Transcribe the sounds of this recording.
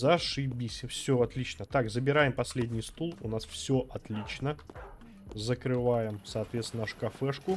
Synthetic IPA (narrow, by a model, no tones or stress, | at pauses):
zɐʂɨbʲisʲəfsʲɵɐt̪lʲit͡ɕnət̪akzəbʲɪɾajɪmpɐsʲlʲedʲnʲɪjst̪ulˠʊnasfsʲɵʔɐt̪lʲit͡ɕnə | zəkɾɨvajɪmfsɐːt̪vʲet̪snʂkɐfɛʂkʊ